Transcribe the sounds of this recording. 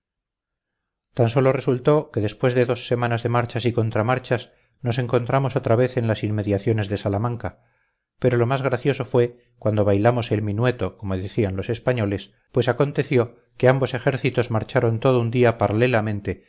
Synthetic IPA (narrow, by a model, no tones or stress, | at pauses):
t̪anso̞lo̞re̞sult̪o̞ke̞ðe̞spwe̞zðe̞ðo̞sːe̞mãnazðe̞maɾt͡ʃasiko̞nt̪ɾamaɾt͡ʃas | no̞se̞ŋko̞nt̪ɾamo̞so̞t̪ɾaβe̞θe̞nlasimme̞ðjaθjo̞ne̞zðe̞salamãŋka | pe̞ɾo̞lo̞mazɣɾaθjo̞so̞fwe̞ | kwand̪o̞βajlamo̞se̞lmĩnwe̞t̪o̞ko̞moðeθianlo̞se̞spaɲo̞le̞s | pwe̞sakont̪e̞θjo̞ | ke̞ambo̞se̞xe̞ɾθit̪o̞zmaɾt͡ʃaɾo̞nt̪o̞ð̞ound̪iapaɾale̞lamẽ̞nt̪e̞